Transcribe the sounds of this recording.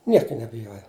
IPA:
ˈnʲiɛkɐ nʲɛbʲɪˈjoːjɛ

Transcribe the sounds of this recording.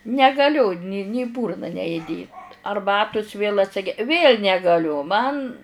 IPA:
nʲɛɡɐˈlʲʊ nʲɪ nʲɪ iː ˈbuːrnɐ nʲɛ ɪˈdʲeːt ɐrˈbɑːtʊs ʋʲeːlˠ ɐtʲˈsʲɪɡʲɛ ʋʲeːlʲ nʲɛɡɐˈlʲʊ ˈmɐn

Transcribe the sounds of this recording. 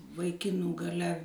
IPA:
ʋɐɪˈkʲɪnuː ɡɐˈlʲɛ

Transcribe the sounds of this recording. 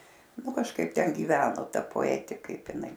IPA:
ˈnʊ kɐʃˈkɐɪp ˈtʲɛn ɡʲiːˈʋʲæːnoː ˈtɐ poːɛˈtʲɪ ˈkɐɪp ɪˈnɐɪ

